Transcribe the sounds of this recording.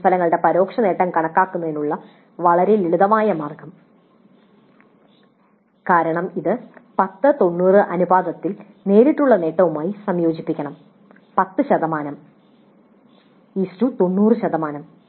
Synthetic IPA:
mpʰɐlɐŋːɐɭɨɽe̞pɐɾo̞ːkʂɐne̞ːʈːɐmkɐɳɐkːaːkːunːɐðenːuɭːɐ | ʋɐɭɐɾejileɽuðɐmaːjɐmaːrɡɐm | kaːɾɐɳɐmiðɨpɐt̪ːɨt̪o̞nːuːrɨʔɐnubaːd̪ɐt̪ːil | ne̞ːɾiʈːuɭːɐne̞ːʈːɐʋumaːjisɐmjo̞ːd͡ʑipːikʲːɐɳɐm | pɐt̪ːɨɕɐðɐmaːnɐm | istut̪o̞nːuːrɨɕɐðɐmaːnɐm

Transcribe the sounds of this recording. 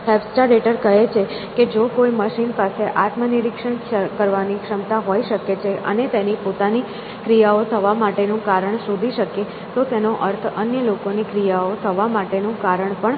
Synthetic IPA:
hɛbsʈaɾeʈəɾkəɦet͡ʃʰe | ked͡ʒokoiməʃinpaseʔat̪mənɪɾikʃənəkəɾʋanikʃəmt̪aɦoiʃəket͡ʃʰeʔə̰net̪enipot̪ani | kɾijaot̪ʰəʋamaʈenũkaɾəɳsud̪ʱiʃəke | t̪ot̪enoʔəɾt̪ʰənjəlokonikɾijaot̪ʰəʋamaʈenũkaɾəɳpəɳ

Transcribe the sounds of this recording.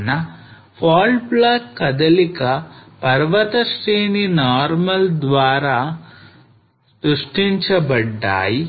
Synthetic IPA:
nɐ | pʰaːlɖplaːkkːɐd̪ɐlikɐpɐɾʋɐt̪ɐsɾeːninaːɾmɐld̪ʋaːɾaː | st̪ɾuʂʈiɲt͡ʃɐbɐɖːa̰ːji

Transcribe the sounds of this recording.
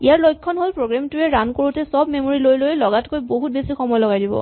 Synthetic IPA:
ijaɹlojkʰːɔnɦolpɹoɡɹamtʊɛɹankoɹutɛsɔbmemoɹilojlojlɔɡatkojboɦut̚besikʰɔmɔjlɔɡajdibɔ̰

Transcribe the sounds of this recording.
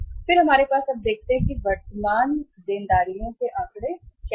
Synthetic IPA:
pʰɪɾɦəmaːɾepaːsab̚d̪eːk̚ʰt̪eɦɛ̃kiʋəɾt̪əmaːnd̪ɪnd̪aːɾijõːseʔaːkɽeːkj

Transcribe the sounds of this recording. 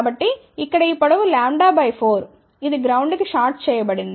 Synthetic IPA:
bɐʈːiː | kːɐɽɐipːɐɽɐʋulaːɳɖaːbɐjpʰoːɾ | id̪iɡɾɐwɳɖkɯʂaːʈ̚t͡ʃɛːjɐbɐɽin

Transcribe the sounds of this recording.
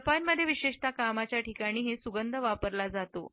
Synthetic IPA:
panmːəd̪ʱːjeʋiɕeʂt̪akamat͡ɕjaʈikaɽ̃iːɦesuɡənd̪ʱəʋapəɾlad͡zat̪o̰

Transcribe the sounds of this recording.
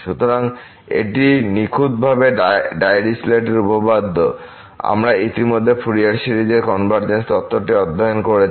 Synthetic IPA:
ʃut̪oɾaŋ | ḛʈinikʰud̪̚bʱabeɖajɾisleʈeɾubobad̪ʱːo | a̰mɾait̪imod̪ʱːefʰuɾiaɾʃiɾid͡ʑeɾkɔnbʱaɾd͡ʑenst̪ɔt̪ːoʈeɔd̪ʱːaonkoɾe

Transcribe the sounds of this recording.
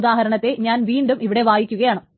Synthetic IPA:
d̪aːɦɐɾɐɳɐt̪ːe̞ɲaːnʋiːɳɖumiʋiɽe̞ʋaːjikʲːuɣɐjaːɳɨ

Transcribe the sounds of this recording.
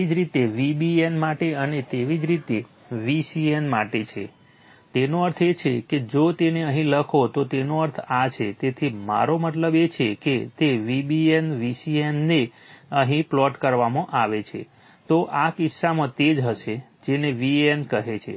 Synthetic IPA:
id͡ʒɾit̪eʋibienmaʈeənet̪eʋid͡ʒɾit̪e | ʋisienmaʈet͡ʃʰḛ | t̪enoəɾt̪ʰet͡ʃʰeked͡ʒot̪eneəɦĩləkʰot̪ot̪enoəɾt̪ʰat͡ʃʰet̪et̪ʰima̰ɾomət̪ləbet͡ʃʰeket̪eʋibienʋisienːeəɦĩplɔʈkəɾʋamãʔaʋet͡ʃʰḛ | t̪oʔakisːamə̃t̪ed͡ʒɦəʃed͡ʒeneʋienkəɦet͡ʃʰḛ

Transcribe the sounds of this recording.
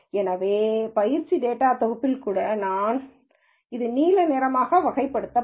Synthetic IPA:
ɛnɐʋeːpɐjɪɾt͡ʃːiɖeːʈːaːt̪ɔɣɐpːɪlkuːɽɐnaːn | ɪðɯniːlɐneːɾɐmaːɣɐʋɐɣɐɪpːɐɽɯt̪ːɐ

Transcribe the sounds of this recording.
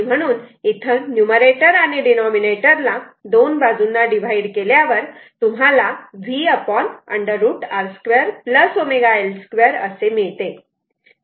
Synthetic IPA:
m̤əɽ̃uːnit̪ʰənjuməɾeʈəɾañiɖinɔmineʈəɾlad̪onbad͡zunːaɖiʋ̤ʱaiɖkeljaʋəɾt̪um̤alaʋiəpɔnə̰ɳɖəɾːuːʈaɾskʋeɾpləsomeɡaelskʋeɾə̰semiɭt̪e

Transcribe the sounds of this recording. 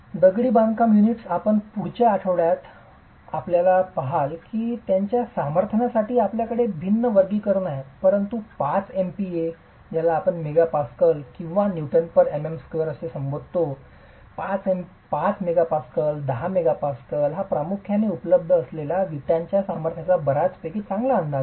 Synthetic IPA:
d̪əɡɭiːbãŋkamjuniʈsapəɳpuɽ̤t͡ɕjaːʈʰəʋɭjat̪ | a̰pljalapaɦalkiːt̪jaɲt͡ɕjasaməɾt̪ʰənasaʈʰiːapljakəɽebʱinːəʋəɾɡiːkəɾnaɦepəɾənt̪upat͡sempie | d͡ʑalaːpəɳmeɡapaskəlkĩw̃ʋanjuʈənpəɾememskʋəɾəsesəmbod̪̚ʱt̪o | pat͡sem | pat͡smeɡapaskəld̪əɦameɡapaskəlɦapɾamukʰjaneupələb̚d̪ʱəːslelaʋiʈjaɲt͡ɕjasaməɾt̪ʰat͡sabʱəɾat͡so̥t̪ekiːt͡sãŋɡlaːnd̪ʱa

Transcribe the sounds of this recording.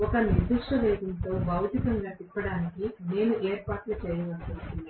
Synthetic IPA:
ɔkɐnid̪uʂʈɐleːd̪ɐnt̪o̞ːbɐwt̪ikɐŋɡaːt̪ipːɐɽaːnikine̞ːnuʔeːɾpaːʈlut͡ʃɛjɐʋɐt͡ʃːunt̪ui

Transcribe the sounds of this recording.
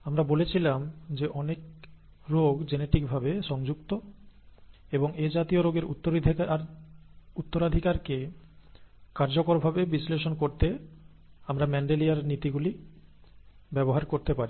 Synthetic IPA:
amɾabolet͡ɕʰilamd͡ʑeʔɔnek̚ | ɾoɡd͡ʑeneʈik̚bʱabeʃɔŋd͡ʑukt̪o | eboŋed͡ʑat̪ioɾoɡeɾṵt̪ːoɾad̪ʱiaɾ | ut̪ːoɾad̪ʱikaɾke | kaɾd͡ʑokoɾbʱabebisleʃonkoɾt̪e | amɾamɛɳɖeliaɾnit̪iɡuli | bɛboɦaɾkoɾt̪epaɾi

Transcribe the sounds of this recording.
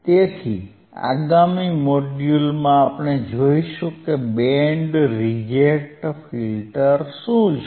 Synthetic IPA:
t̪et̪ʰi | a̰ɡamimoɖjulmãːpɳ̃ed͡ʒoiʃũkebeɳɖɾid͡ʒeʈfilʈəɾʃũ

